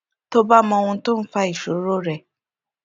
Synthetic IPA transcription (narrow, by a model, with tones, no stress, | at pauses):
to˦ba˦mɔ̃˧wũ˧˦to˦n̩˦fa˧i˨ʃo˨˦ɾo˦ɾɛ˦˧˨